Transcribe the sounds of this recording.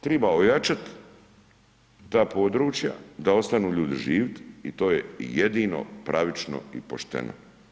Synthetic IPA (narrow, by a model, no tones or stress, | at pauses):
t̪ɾebaojat͡ʃat̪ | aːpo̞d̪ɾuːt͡ʃja̰d̪ao̞st̪anuːʎuːd̪iʒiːʋt̪it̪o̞ːjejed̪iːno̰pɾʔaʋit͡ʃno̰ḭpo̰ʃt̪ḛnʔo̰